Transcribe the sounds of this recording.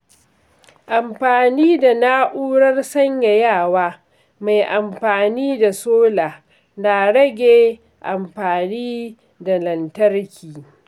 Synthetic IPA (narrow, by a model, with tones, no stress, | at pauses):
ʔa˨mɸaː˨niː˦da˨naː˦ʔuː˦ɽɐ˦rsɐ˦ɲja˨jaː˦˨waː˦ | ma˨jʔa˨mɸaː˨niː˦da˨soː˦laː˨ | na˨ɽɐ˦ɡʲeː˨ | ʔa˨mɸaː˨niː˦ | da˨lɐ˨ntɐ˦rkʲʰiː˨